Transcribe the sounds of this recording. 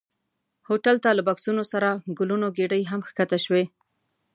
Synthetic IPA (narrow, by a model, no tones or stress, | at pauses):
hoʈalt̪alabaksunosaɾaɡʊlunoɡeɖəjɦamxkat̪aʃwe